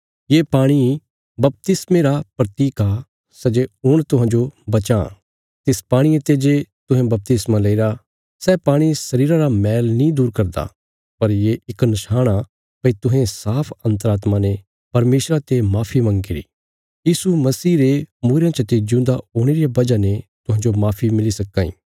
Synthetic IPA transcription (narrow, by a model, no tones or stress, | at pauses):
jeːpaːɽ̃i | bɐp̚t̪ɪsmeɾapɾɐt̪iːka | sɛd͡ʒeɦʊɽ̃t̪ʊɦãːd͡ʒobɐt͡ʃã | t̪ɪspaːɽ̃iẽt̪ed͡ʒet̪ʊɦẽbɐp̚t̪ɪsmãlɐɪɾa | sɛpaːɽ̃isɐɾiːɾaɾamɛːlnĩd̪uːɾkɐɾd̪a̰ː | pɐɾjeʔɪknɐʃaːɽ̃a | pɐit̪ʊɦẽsaːpʰɐ̃nt̪̬əɾaːt̪mane | pɐɾmeːsɾat̪emaːpʰimɐ̃ŋɡiɾḭː | jiːsumɐsiːɾemuːɾãt͡ʃət̪ed͡ʒũːnd̪aoːɽ̃eɾijabɐd͡ʒanet̪ʊɦãːɲd͡ʒomaːpʰimɪlisɐkːãːḭ̃ː